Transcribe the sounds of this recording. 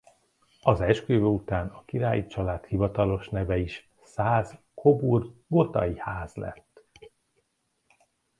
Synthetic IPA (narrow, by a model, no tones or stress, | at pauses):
ɒzɛʃkøːvøut̪aːnɒkiɾaːjit͡ʃɒlaːt̪hivɒt̪ɒlo̞ʃnɛvɛiʃ | saːz | kʰo̞burɡo̞t̪ɒ̰jihaːzlɛ̰t̪ː